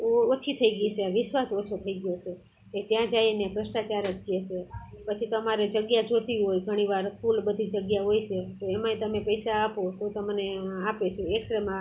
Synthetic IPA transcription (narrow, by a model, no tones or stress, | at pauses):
oot͡ʃʰit̪ʰəiɡit͡ʃeaʋɪʃʋasot͡ʃʰot̪ʰəiɡjot͡ʃʰe | ked͡ʒjãd͡ʒajenepɾəsʈat͡ʃaɾəd͡ʒkjet͡ʃʰe | pət͡ʃʰit̪əmaɾed͡ʒəɡjad͡ʒot̪iɦojɡʱəɽ̃iʋaɾkʰulbəd̪ʱid͡ʒəɡjaɦojʃet̪oemãit̪əmepəjsaːpot̪ot̪əmneapet͡ʃʰeeksɾemã